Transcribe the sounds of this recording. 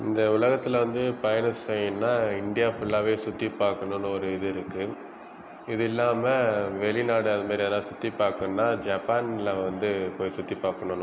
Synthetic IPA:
ɪnd̪ɐʊlɐɣɐt̪ːɪlɐʋɐnd̪ɯpɐjɐnɯssɛjːɯnːaːɪnɖ̪ɪjaːfʊɭːaːʋeːsʊt̪ːipːaːɾkɐɳʊnːɯɔɾɯɪðɯɪɾɯkːɯ | ɪðɪlːaːmɐʋɛɭɪnaːɽɯɐðɐmaːd̪ɾiɐlãːsʊt̪ːipːaːɾkɯnːaːd͡ʒɐpaːnlɐʋɐnd̪ɯpoːjsʊt̪ːipaːɾkɐɳoːnː

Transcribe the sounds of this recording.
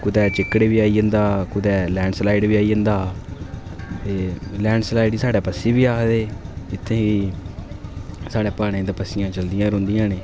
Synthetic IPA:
kʊd̪ɛːt͡ʃɪkːɽeːʋiːaːiːə̃nd̪aːkʊd̪ɛːlɛ̃ːɳɖslaːɪɖʋiːaːiːənd̪aː | t̪eːlɛ̃ːɳɖslaːɪɖiːsaːɖɛːpəsiːbiːaːkd̪eːd͡ʒɪt̪ʰːẽːʋiː | saːɽeːpaːɽ̃ẽːd̪apəsɪjãːt͡ʃəld̪ɪjãːɾʊ̃nd̪ɪjãːneː

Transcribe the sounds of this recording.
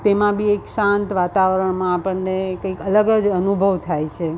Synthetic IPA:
t̪emãbʱieksãnt̪ʋat̪aʋɾəɳmãːpəɳnekəikələɡəd͡ʒənubʱəʋt̪ʰajt͡ʃʰe

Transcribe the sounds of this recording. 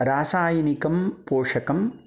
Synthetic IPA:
ɾaːsaːjɐnikɐmpoːʂɐkɐm

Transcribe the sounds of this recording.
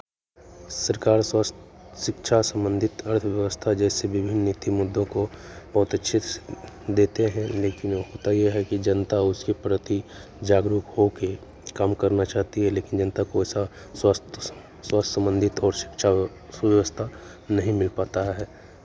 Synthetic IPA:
səɾkaːɾswastʃɪkʃʰasə̃mbə̃nd̪ʱɪt̪ɐɾt̪ʰʋjəʋəst̪ʰad͡ʒɛːseʋɪbʱɪnːɪt̪ʰimʊd̪ːõkobɐɦʊt̪ɐtːʃʰɪt̪ | d̪eːt̪eɦɛ̃leːkɪnɦoːt̪ajeɦɛkid͡ʒɐnt̪aʊskepɾət̪i | d͡ʒaːɡɾʊkhoke | kaːmkɐɾnat͡ʃaːɦt̪iɦɛleːkɪnd͡ʒɐnət̪akoɛːsa | swast̪ʰ | swaːst̪ʰsə̃mbə̃nd̪ʱɪt̪ɔːɾʃɪ̥kʃʰa | ʋjəʋəst̪ʰa | nɐɦĩmɪlpaːt̪aɦɛː

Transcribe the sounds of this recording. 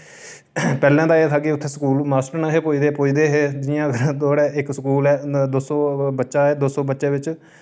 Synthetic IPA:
pɛːlɛ̃ːd̪aːeːt̪ʰaːkiʊt̪ʰːeːskuːlmaːsʈəɾnaɦeːpoːiːd̪eːpoːiːd̪eːɦeːd͡ʒɪjãːɡt̪oːɽɛːʔɪksəkuːlɛːd̪oːsoːbətːʃaːɛːd̪oːsõːbətːʃeːʋɪt͡ʃ

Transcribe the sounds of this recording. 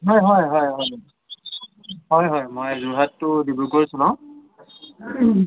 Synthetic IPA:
ɦɔjɦɔjɦɔjɦɔjni | ɦɔjɦɔjmojzuɦatːʊdibukoɹisunɔ

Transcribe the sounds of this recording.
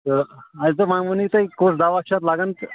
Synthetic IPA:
əat̪əmamunit̪əikosd̪aʋak̚ɕat̪laɡənt̪

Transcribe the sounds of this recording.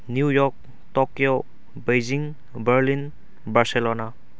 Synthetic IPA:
njujɔk̚ | tɔkjo | bejd͡ʒiŋ | bəɾlin | baɾselɔna

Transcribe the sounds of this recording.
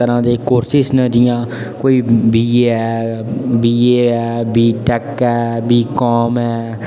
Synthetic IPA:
əɾãːd̪eːkoːɾsɪsnəd͡ʒ̪ɪjãː | koːiːbiːɛːbiːeːɛːbiːʈɛkɛːbiːkɔːmɛː

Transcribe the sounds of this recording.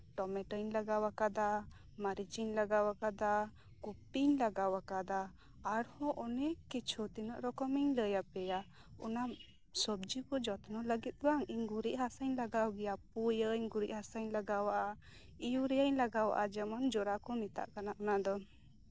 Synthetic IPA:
ʈɔmɛʈəɲlaɡawakad̪a | maɾid͡ʒiɲlaɡawakad̪a | kupiɲlaɡawakad̪aː | ɽhɔʔɔnɛkːɛt͡ʃʰɔt̪inəʔɾɔkɔmɛɲləjapɛja | ɔna | sɔb̚d͡ʒikɔd͡ʒɔt̪nɔləɡit̪̚ɡwaŋiɲɡuɾiʔhasəɲlaɡawɡɛjapujəɲɡuɾiʔhasəɲlaɡawaʔa | ijuɾɛjəɲlaɡawa̰ʔad͡ʒɛmand͡ʒɔɾakɔmit̪a̰ʔkanaʔɔnad̪ɔ

